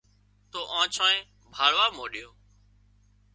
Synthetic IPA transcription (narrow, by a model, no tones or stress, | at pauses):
t̪oːʔãːt͡ʃʰãːẽː | bʱaːɽʋaːmoːɗɪjõː